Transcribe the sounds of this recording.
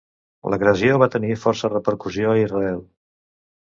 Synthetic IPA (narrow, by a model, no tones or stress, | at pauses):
lʔə̰ɣɾəzioβat̪ənifɔɾsərəpəɾkuzioəizrəɛlˠ